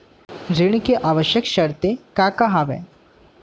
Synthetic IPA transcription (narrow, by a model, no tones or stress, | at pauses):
d͡ʑiɳ̃keʔaʋəɕjəkɕəɾt̪ekakaɦaʋḛ